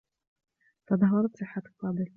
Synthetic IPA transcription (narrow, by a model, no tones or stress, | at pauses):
t̪ɑd̪ˤɑɦːɑɾˤɑt̪sˤɨħːat̪fɑːd̪ɨl